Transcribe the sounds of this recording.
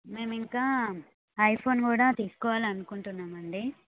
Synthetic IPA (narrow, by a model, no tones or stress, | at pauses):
me̞ːmiŋkaː | ɐjpʰoːnkuːɽaːt̪iːsu̥kɔːʋaːliɐnukuɳʈunːaːmɐɳɖi